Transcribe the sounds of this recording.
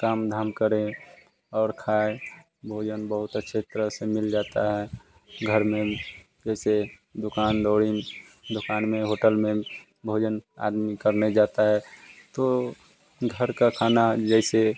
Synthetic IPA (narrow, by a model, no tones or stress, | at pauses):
kaːmd̪ʱaːmkəɾẽ | ɔːɾkʰaːe | bʱoːd͡ʒənbəɦʊt̪ətːʃʰet̪əɾəɦsemɪld͡ʒaːt̪aɦɛ | ɡʱəɾmẽ | d͡ʒɛːse | d̪ʊkaːnd̪ɔːɽi | d̪ʊkaːnmẽɦoːʈəlmẽ | bʱoːd͡ʒəna̰ːd̪mikəɾned͡ʒaːt̪aɦɛt̪o | ɡʱəɾkakʰaːnad͡ʒɛɪse